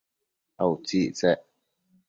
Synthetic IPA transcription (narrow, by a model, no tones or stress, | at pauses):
ʔɐwt͡sit͡sɛʔ